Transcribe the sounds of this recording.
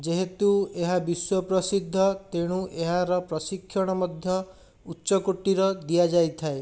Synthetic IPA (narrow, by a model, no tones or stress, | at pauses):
d͡ʒeɦet̪ueɦabiswɔpɾɔsid̪ʱːɔt̪eɽ̃uʔeɦaɾɔpɾɔsikʰːjɔɽ̃ɔmɔd̪ʱjɔ | utːʃɔkoʈːiɾɔd̪ijad͡ʒajt̪ʰae